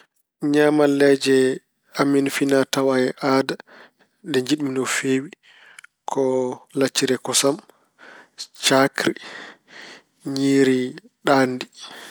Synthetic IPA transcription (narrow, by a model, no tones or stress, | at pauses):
ɲaːmalɛd͡ʒɛ | aminfinatawajɛʔaːda | dɛɲd͡ʒiɗminɔfeːwi | kʰɔlat͡ʃːiɾɛkɔsam | t͡ʃakɾi | ɲiːɾi | ɗaːndi